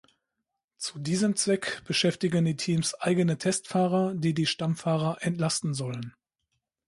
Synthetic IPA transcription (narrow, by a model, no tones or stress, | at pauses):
t͡sudiːzəmt͡sv̥ɛkb̥əʃɛftɪɡəndiːtʰiːmsʔaɪɡənətʰɛstfaːʁɐdiːdiːʃtamfaːʁɐʔɛntlastn̩zɔlən